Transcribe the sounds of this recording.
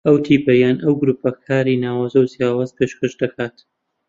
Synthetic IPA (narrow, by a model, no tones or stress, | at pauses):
ɐwt̪ʰiːpɐjaːnʔɐwɡʊɾupɐkʰaːɾiːnaːwaːzɐwzjaːwaːzpʰeʃkɐʃd̪ɐkʰaːt̪